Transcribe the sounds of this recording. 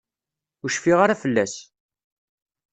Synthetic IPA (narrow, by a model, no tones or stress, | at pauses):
ʊʃfiʁaɾafəlːæs